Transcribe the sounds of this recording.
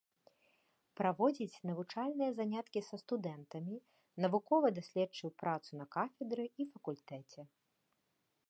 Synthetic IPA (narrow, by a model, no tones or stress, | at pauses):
pɾavɔd͡zʲit͡sʲnɐvut͡ʂalʲnɨjɐzanʲat̪kʲisɐst̪ud̪ɛnt̪ɐmʲi | nɐvukɔvɐd̪asʲlʲɛt͡ʂːɨwpɾʔat̪sunɐkafʲɛd̪ɾɨifɐkulʲt̪ɛt͡sʲɛ